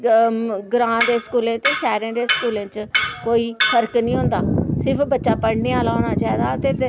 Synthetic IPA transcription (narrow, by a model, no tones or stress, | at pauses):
ɡɾãːd̪eːskuːlẽːt̪eːʃɛːɾẽːd̪eːskuːlẽːt͡ʃkoːiːfʰəɾknĩːɦʊ̃nd̪aːsɪɾpʰbətːʃaːpəɽneːaːlaːɦoːɽ̃aːt͡ʃaːiːd̪aːət̪eː